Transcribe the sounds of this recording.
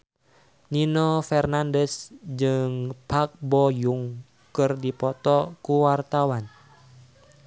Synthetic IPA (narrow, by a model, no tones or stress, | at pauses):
ninɔfɛrnandɛsd͡ʒɨŋpak̚bɔjuŋ | kɨrdipɔt̪ɔkuwart̪awan